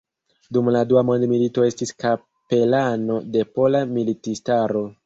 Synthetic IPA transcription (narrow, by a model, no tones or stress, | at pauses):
dumladuamo̞ndmilito̞e̞stiska | pe̞lano̞de̞po̞lamilitistaɾo̞